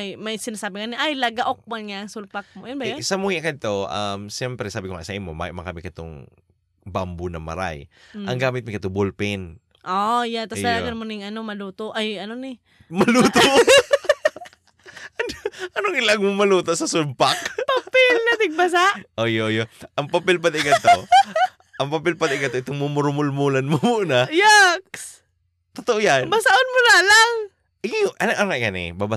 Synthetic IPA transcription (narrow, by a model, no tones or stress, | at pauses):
jmɐjsɪnaːsaːbɪŋanɪʔajlɐɡaʔok̚manŋaʔɐŋsʊlpak̚mojʊnbajsɐmuhɪʔkɐd̪̚t̪oʔamsɛmpɾɛsaːbɪkoŋa̰sɐʔɪnmoma̰mɐkamɪkɐt̪o̰ŋ | bambʊnɐmɐ̰ɾa̰jʔɐŋɡaːmɪt̪̚mɪkɐt̪obulpɪn | ʔojat̪asd̪ɐlaːɡanmonɪŋʔɐnomɐluːt̪oʔajɐnonɪ | mɐluːt̪o | ɐnoʔɐnoŋɪlaɡmʊmɐluːt̪oʔsɐsʊmpak̚papɪlnɐt̪ɪɡ̚bas̬aʔʔojoʔojoʔɐŋpapɪlpɐd̪ɪɡat̪o | ʔɐŋpapɪlpad̪ɪʔɪɡɐt̪oʔɪt̪oŋmumʊɾmʊlmulanmomʊnajaks | t̪ot̪oʔojannbasaʔʊnmʊnalaŋ | ʔɪɡʔɐnʔɐnŋaʔkanɪ̰baba